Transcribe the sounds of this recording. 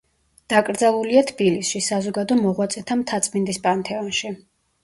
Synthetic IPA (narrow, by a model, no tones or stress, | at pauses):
d̪̥akʼɾd̪zalˠuliat̪ʰb̥ilisʃisazɔɡad̪ɔmɔʁwat̪sʼɛt̪ʰamt̪ʰat̪sʼmind̪ispʼant̪ʰɛɔnʃi